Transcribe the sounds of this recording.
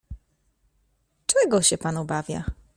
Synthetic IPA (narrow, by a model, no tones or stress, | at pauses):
t͡ʂɛɡɔɕɛpanubavʲja̰